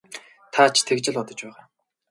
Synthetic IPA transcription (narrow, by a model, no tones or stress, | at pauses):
t̪ʰat͡ɕʰt̪ʰekt͡ɕɪ̆ɮɔt̪ɞ̆t͡ɕpæːʁaː